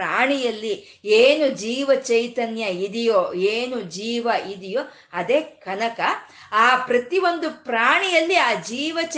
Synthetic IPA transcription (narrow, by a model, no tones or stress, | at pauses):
aːɳijɐlːi | eːnud͡ʒiːʋɐt͡ʃɐjt̪ɐnjɐid̪ijoːeːnud͡ʒiːʋɐid̪ijoː | ɐd̪eːkɐnɐkɐ | aːpɾɐt̪iʋo̞nd̪upɾaːɳijɐlːiaːd͡ʒiːʋɐt͡ʃ